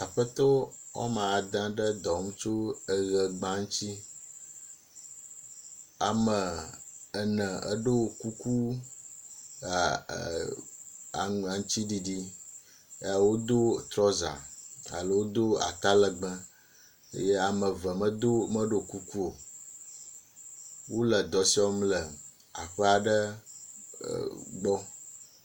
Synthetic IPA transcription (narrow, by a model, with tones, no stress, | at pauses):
a˨ɸə˦t̪ɔ˦ | wɔ̰˦mã˨a˨d̪ã˦ɖə˦d̪ɔ˨˦mũ˦t͡ʃo˦ə˨ɣə˨ɡ͡bã˦ŋũ˦t͡ɕi˦ | a˨mə˨ə˨nə̃˨ə̰˦ɖo˦wo˨ku˦ku˦˨ | a̰˨a˨ŋũ˦t͡ɕi˦ɖi˨ɖi˦ | e˦a˨wo˦d̪o˦t̪ɾɔ˦za̰˨a̰˨lə˦wo˦d̪o˦a̰˨t̪a˦lə˨ɡ͡bə̃˦ | ḛ˦je˦a˨mə˨və˨mə˦d̪o˦mə˦ɖo˦˨ku˦ku˦o˨ | wo˦lə˨d̪ɔ˨si˦ɔ˦mlə˨ | a̰˨ɸə˦a˨ɖə˦˨ | ɡ͡bɔ˦